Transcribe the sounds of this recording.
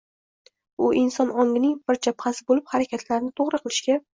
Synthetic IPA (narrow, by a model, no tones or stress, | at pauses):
ʊʔɪnsɒnɒŋʲɪnɪŋbɪɾt͡ʃʰapχasɪbolɪphaɾakʲʰat̪ʰlaɾnɪt̪ʰoʁɾɨqʰɨlˠɪʃɡʲa